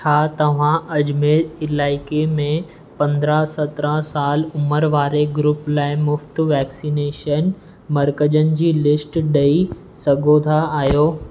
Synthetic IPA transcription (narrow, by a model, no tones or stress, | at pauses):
t͡ɕʰaːt̪ɐʋ̤ãʔɐd͡ʑmeːɪlaːɪkemẽ | pɐ̃nd̪ɾasɐt̪ɾasaːlʊməɾʋaːɾeɡɾʊplaːɪmʊft̪ʋɛːksineːʃən | mɐɾkəd͡ʑənɪ̆d͡ʑiːlɪsʈɗɐi | sɐɡʱot̪ʰaaːjoː